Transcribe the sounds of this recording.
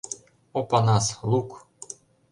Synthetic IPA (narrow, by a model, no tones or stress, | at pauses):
opɑnɑsluk